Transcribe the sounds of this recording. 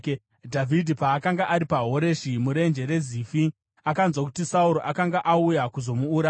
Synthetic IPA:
dʱavʱidʱipaːkaŋɡaʔaɾipaɦo̞ɾe̞ʃimuɾe̞nd͡ʒe̞ɾe̞zifi | akaunzwakutisauɾoʔakaŋɡaʔaujakuzo̞muːɾa

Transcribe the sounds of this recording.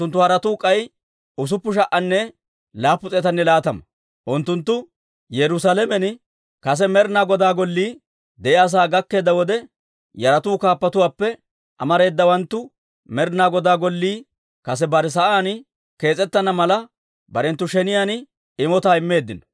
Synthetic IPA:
ʊnt̪ːʊhɐɾɐt̪uːkʼːɐj | ʊs̬ʊpːʊʃ̬ɐʔɐnːɛ | laːpːʊt͡sʼeːt̪ɐnːɛlaːt̪ɐmɐ | ʔʊnt̪ːʊnt̪ːʊ | jɛɾʊsalɛmɛnɪ | kɐs̬ɛmɛɾnaːɡɔd̪aːɡɔlːiː | d̪ɛʔɪɐs̬aːɡɐkːe̞ːd̪ːɐwɔd̪ɛ | jɐɾɐt̪uːkaːpːɐt̪ʊwaːpːɛ | ʔɐ̰mɐɾe̞ːd̪ːɐwɐnt̪ːʊ | mɛɾnaːɡɔd̪aːɡɔlːiː | kɐs̬ɛbɐɾɪs̬ɐʔaːn | ke̞ːt͡sʼɛt̪ːɐnɐmɐlɐ | bɐɾɛnt̪ːʊʃɛnɪjaːn | ɪmɔt̪aːɪmːe̞ːd̪ːɪnɐ

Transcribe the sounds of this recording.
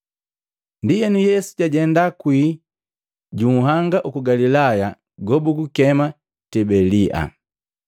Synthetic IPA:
ndijɛnujɛsu̥ɟaɟɛndakwiː | ɟuɦaŋɡaʔukuɡalilaja | ɡɔbuɡukɛma | tɛbɛliʔa̰

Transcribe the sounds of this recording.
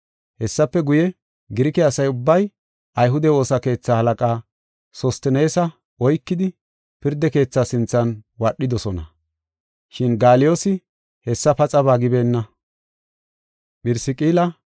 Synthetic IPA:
hɛsːɐpːɛɡʊjɛ | ɡɪɾɪkɛɐsɐjʊbːɐj | ʔɐjɦʊd̪ɛo̞ːsɐke̞ːt͡sːaːhɐlɐkʼaː | sɔst̪ɪne̞ːsɐ | ɔjkːɪd̪ɪ | pɪɾd̪ːɛke̞ːt͡sːaːsɪnt͡sːɐnwɐɗːɪd̪ɔsɔnɐ̰ | ʃɪnɡaːlɪjo̞ːsɪ | hɛsːɐpɐt͡sʼɐβaːɡɪbe̞ːnːɐ | ɓɪɾsɪkʼiːlɐ

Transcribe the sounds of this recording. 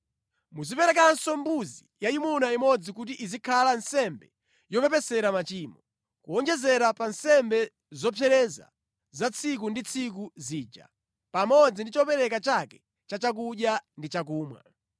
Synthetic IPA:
muzipɛɾɛkansɔmbuzijaimunaimɔd͡zikut̬iʔizikʰalansɛmbɛ | jɔpɛpɛsɛɾamat͡ʃiːmɔ | kuɔnd͡ʒɛzɛɾapansɛmbɛ | zɔpʰɛɾɛza̰ | zat͡sʰik̬undit͡sʰik̬uziːd͡ʒa̰ | pamɔd͡zindit͡ʃɔpɛɾɛkat͡ʃakɛ | t͡ʃat͡ʃak̬uɗjandit͡ʃak̬uːmwa̰

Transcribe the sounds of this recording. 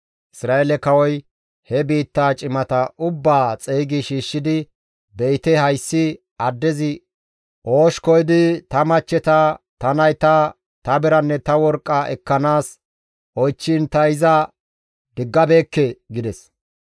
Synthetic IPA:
ʔɪsɾaːelɛkɐwɔj | hɛbiːt̪ːaːt͡ʃʼɪmɐt̪ɐʔʊbːaːt͡sʼeːɡɪʃiːʃːɪd̪ɪ | bɛjt̪ɛhɐjsːɪ | ɐd̪ːɛzɪ | ʔoːʃkɔjd̪ɪt̪ɐmɐt͡ʃːɛt̪ɐt̪ɐnɐjt̪ɐ | t̪ɐbɪɾɐnːɛt̪ɐwɔɾkʼːɐʔɛkːɐnaːs | ʔɔjt͡ʃːɪnt̪ɐɪzɐ | d̪ɪɡːɐbe̞ːkːɛɡɪd̪ɛs

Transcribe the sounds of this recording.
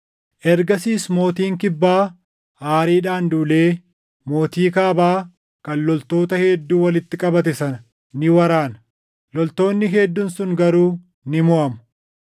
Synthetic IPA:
ʔɛɾɡɐsiːsmo̞ːt̪iːŋkɪbːaː | haːɾiːᶑaːnd̪uːleː | mo̞ːt̪iːkaːbaː | kɐnlɔlt̪o̞ːt̪ɐhed̪ːuːwɐlɪt̪ːɪkʼɐbɐt̪ɛsɐnɐ | nɪwɐɾaːnɐ̥ | lɔlt̪o̞ːnːɪɦed̪ːʊnsʊŋɡɐɾuː | nɪmʊʔɐmʊ̥

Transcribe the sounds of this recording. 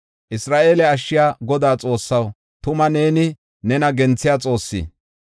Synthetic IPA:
ʔɪsɾaːʔe̞ːlɛɐʃːɪjaːɡɔd̪aːt͡sʼo̞ːsːɐw | t̪ʊmɐneːnɪ | nɛnɐɡɛnt͡sːɪjaːt͡sʼo̞ːsːḭː

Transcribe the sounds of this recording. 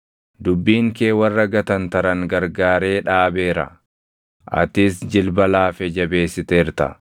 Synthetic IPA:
d̪ʊbːiːŋke̞ːwɐrːɐɡɐt̪ɐnt̪ɐɾɐŋɡɐɾɡaːɾe̞ːᶑaːbe̞ːɾɐ̰ | ʔɐ̰t̪ɪsd͡ʒɪlbɐlaːfɛd͡ʒɐbe̞ːsːɪt̪eːɾt̪ɐ̰

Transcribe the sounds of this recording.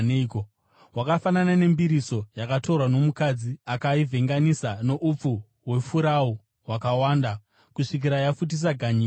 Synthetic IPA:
neko | wakafananane̞mbiɾiso̞jakato̞rwano̞mukad͡ziakaivʱe̞ŋɡanisano̞ʔup͡fu | we̞fuɾau | wakawaːnda | kuʂik̬iɾajafut̬is̬aɡʱaɲiː

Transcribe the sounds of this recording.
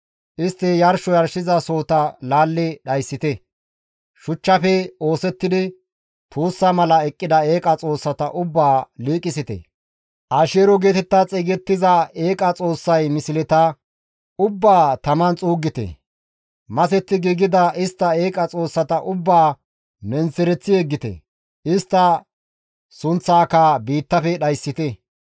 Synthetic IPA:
ʔɪst̪ːɛjɐɾʃɔjɐɾʃɪzɐso̞ːt̪ɐlaːlːɪɗɐjsːɪt̪ɛ | ʃʊt͡ʃːɐfɛo̞ːsɛt̪ːɪd̪ɪ | t̪ʰuːsːɐmɐlɐɛkʼːɪd̪ɐeːkʼɐt͡sʼo̞ːsːɐt̪ɐʔʊbːaːliːkʼɪsɪt̪ɛ̰ | ʔaːʃeːɾɔɡeːt̪ɛt̪ːat͡sʼɪːɡɛt̪ːɪzɐe̞ːkʼɐt͡sʼo̞ːsːɐjmɪsɪlɛt̪ɐ | ʊbːaːt̪ɐmɐnt͡sʼuːɡɪt̪ɛ̰ | mɐsɛt̪ːɪɡiɡɪd̪ɐʔɪst̪ːɐe̞ːkʼɐt͡sʼo̞ːsːɐt̪ɐʔʊbːaː | mɛnt͡sːɛɾɛt͡sːɪeɡːɪt̪ɛ̰ | ɪst̪ːɐ | sʊnt͡sːaːkɐbiːt̪ːɐfɛɗɐjsːɪt̪ɛ

